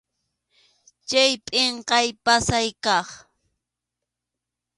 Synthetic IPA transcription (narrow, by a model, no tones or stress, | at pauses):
t͡ʃajpʼɪɴqɑjpasajkɑχ